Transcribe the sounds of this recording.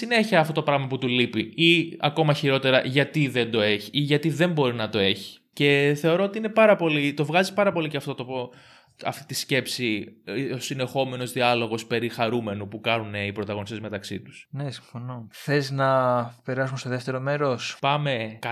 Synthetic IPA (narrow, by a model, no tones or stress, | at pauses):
sine̞çiɐːft̪ot̪o̞pɾɐɣmɐput̪ulipiiɐ̰ko̞mɐçiɾo̞t̪e̞ɾɐʝɐt̪iðe̞nd̪o̞e̞çiiʝɐt̪iðe̞mbo̞ɾinɐt̪o̞e̞çi̥ce̞θe̞o̞ɾo̞ot̪iinepɐɾɐpo̞lit̪o̞vɣɐzipɐɾɐpo̞liceɐft̪o̞t̪opo | ɐft̪it̪isce̞psiosine̞xo̞me̞no̞zðiɐlo̞ɣo̞spe̞ɾixɐɾume̞nupukɐnuneipɾo̞t̪ɐɣo̞nist̪e̞zme̞t̪ɐksḭt̪u̥snesiɱfo̞noθeznɐpe̞ɾɐsumest̪oðeft̪e̞ɾomeɾospɐme̞kɐ